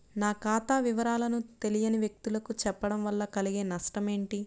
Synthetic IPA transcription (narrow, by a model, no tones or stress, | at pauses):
naːkaːt̪aːʋiʋɐɾaːlɐnut̪e̞lijɐniʋjek̚t̪ulɐkut͡ʃɛpːɐɽɐmʋɐlːɐkɐliɡe̞ːnɐʂʈɐme̞ːɳʈi